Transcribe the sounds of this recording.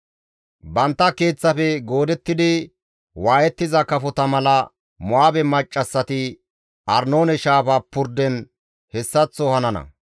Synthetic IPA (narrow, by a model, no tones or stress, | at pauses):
bɐnt̪ːɐke̞ːt͡sːɐfɛɡo̞ːd̪ɛt̪ːɪd̪ɪ | waːjɛt̪ːɪzɐkɐfɔt̪ɐmɐlɐ | mʊaːbɛmɐt͡ʃʼːɐsːɐt̪ɪ | ʔɐɾno̞ːnɛʃaːfapːʊɾd̪ɛn | hɛsːɐt͡sːɔhɐnɐnɐ̰